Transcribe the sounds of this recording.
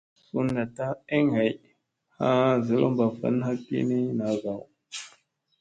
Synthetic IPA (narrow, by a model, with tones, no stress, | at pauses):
su˦nːa˨ta˦e˦ŋha˨j | ha˦zə˨lo̰˦mba˨fə̰˨˦n˦ha˦kḭ˦ni˦na˨˦ɡa˨w